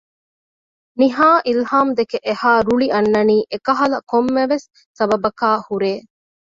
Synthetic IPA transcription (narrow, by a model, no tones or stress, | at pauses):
niɦaːʔilhaːmd̪ekeʔehaːɾuɭiʔɐnːɐniːʔekɐɦɐlɐkomːeʋesː | ɐbɐbɐkaːhuɾeː